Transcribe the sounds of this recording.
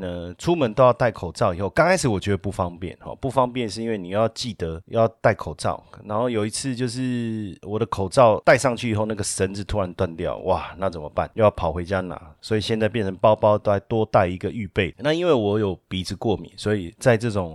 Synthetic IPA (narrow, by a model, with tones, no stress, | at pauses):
nə˧ʈ͡ʂʰu˦˥mə˧˦nt̪o˥ʊjɑ˥˧ʊt̪a˥˩ɪkʰo˨˩ʊt͡sɑ˥˩ʊi˨˩xo˥˩ʊkɑ˥ŋkʰa˥ɪʂ̬̩˩wɔ˨˩t͡ɕɥɛ˧˥d̪ə˧pu˥˩fɑ˦ŋpjɛ̰˥˨˩nxɔ̰˨˩pu˥˩fɑ˥ŋpjɛ˥˧nʂ̬ɻ̩˥˧i˥nwe˥˩ɪni˨˩jjɑ˥˧t͡ɕi˥˩t̪ə˦jɑ˥˧ʊt̪a˥˩ɪkʰo˨˩ʊt͡sɑ̰˥˨˩ʊna˧˥nxo˥˩ʊjo˨˩ʊi˧˥t͡s̩ʰ˥˧t͡ɕjo˥˧ʊʂ̬ɻ̩˥˩wɔ˨˩d̪ə˦kʰo˨˩ʊt͡sɑ˥˨˧ʊt̪a˥˧ɪʂɑ˥˧ŋt͡ɕʰy˥˩i˨˩xo˥˧ʊna˥˩ɡə˩ʂə˧˦˥nt͡sɹ̩˥˩t̪ʰu˥ɻa˧˦nt̪wa˥˧nt̪jɑ̰˥˩ʊwʔa˨na˥˩t͡sə˨˩mə˦pa̰˥˨nt͡ɕo˥˧ʊjɑ˥˩pʰɑ˨˩ʊxwe˧˥ɪt͡ɕja˦na̰˨˩˦swɔ˧˥i˨˩ɕjɛ˥˧nt͡sa˥˧ɪpjɛ˥˨˩nt͡sʰə˧ŋpɑ˥ʊpɑ˥ʊt̪o˥xa˧˥˩ɪt̪wɔ˥t̪a˥˧˩ɪi˧˥ɡə˨y˥˧pe˥˩ɪna˥˧i˥nwe˥˩ɪwɔ˧˦jo˨˩ʊpi˧˥t͡s̩ʰ˧˥kwɔ˥˩mjḭ˨˩nswɔ˧˦˥i˨t͡sa˥˧ɪʈ͡ʂɤ˥˩ʈ͡ʂʊ˨˩ŋ